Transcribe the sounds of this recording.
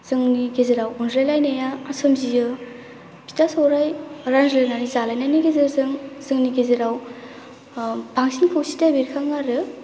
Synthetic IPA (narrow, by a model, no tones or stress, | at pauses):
z̥ɯŋniɡezeɾawɔndɾalajnajaasɯmzijɯ | bʰi̥tasawɾajɾanzɾenaɾizalajnajniɡezɯɾzɯŋz̥ɯŋniɡezeɾaw | baŋsinkʰɯwsi̥tabeɾkʰaŋaɾɯ